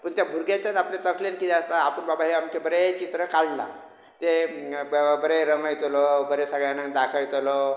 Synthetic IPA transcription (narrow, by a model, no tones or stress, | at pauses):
pəɳt̪jabʱuɾɡet̪at̪apnet̪əkʰlenkit̪eəst̪aːpənbabaɦiamkebəɾet͡ɕit̪ɾəkalla̰ | t̪e | bəɾeɾəməjt̪olobəɾesəɡɭjanad̪akʰəjt̪olɔ